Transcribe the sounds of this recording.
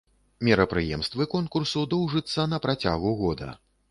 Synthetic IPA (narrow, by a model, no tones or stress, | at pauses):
mʲɛɾɐpɾɨjɛ̰mst̪vɨkɔnkursud̪ɔwʐɨt̪sːɐnɐpɾat͡sʲa̰ɣuɣɔd̪ɐ̰